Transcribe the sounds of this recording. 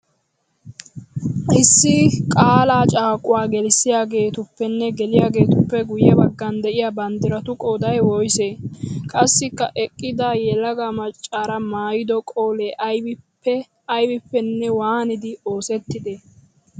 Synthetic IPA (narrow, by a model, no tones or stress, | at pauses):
ʔɪsːɪkʼaːlaːt͡ʃʼaːkʼʊwaːɡɛlɪsːɪjaːɡe̞ːt̪ʊpːɛnːɛɡɛlɪjaːɡe̞ːt̪ʊpːɛɡʊjɛbɐɡːɐnd̪ɛʔɪjabɐnd̪ɪɾɐt̪ʊkʼoːd̪ɐjwɔjseːkʼɐsːɪkːɐ̰ʔɛkʼːɪd̪ajɛlɐɡamɐt͡ʃʼːaːɾɐmaːjɪd̪ɔkʼoːlɛʔj | ɐjbɪpːɛnːɛwaːnɪd̪ɪo̞ːsɛt̪ːɪd̪e